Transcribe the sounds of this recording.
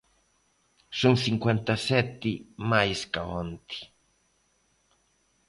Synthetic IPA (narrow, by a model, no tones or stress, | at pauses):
suŋsiŋkwent̪aset̪ːimajskaont̪i̥